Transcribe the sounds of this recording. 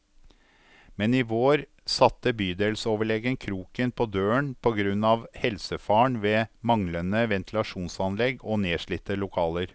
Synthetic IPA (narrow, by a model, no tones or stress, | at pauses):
mɛnɪʋoːɾ | sɑt̪ːəbyːd̪eːlsoːʋəɭɛɡənkʰɾuːkənpʰɔd̪øːəɳpʰɔɡɾʉnːɑʋhɛlsəfɑːɳʋeːmɑŋlənəʋɛnt̪ʰɪlɑʂuːnsɑnlɛɡoneːʂɭɪt̪ːəlʊkʰɑːləɾ